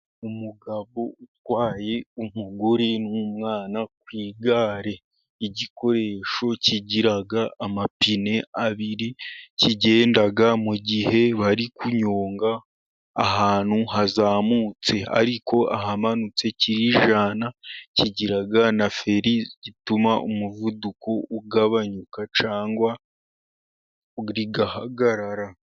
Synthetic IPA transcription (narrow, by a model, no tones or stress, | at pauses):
umuɡaβo̞utwaːje̞umuɡuɾenumŋaːnakwiːɡaːɾe̞ | iɟiko̞ɾe̞ːʃo̞ciɟiɾaɡaːmapine̞aβiɾiciɟe̞ːndaɡamuɟihe̞βaɾikuɲoːŋɡaː | ɦaːn̥huhazaːmut͡se̞a̰ɾiko̞ʔa̰ɦamanut͡se̞ciɾiʒanaciɟiɾaɡanafe̞ɾizɟitumaʔumuvudukʰo̞uɡaβaɲukat͡ʃaːŋɡwa | ɾiɡahaɡaɾaɾa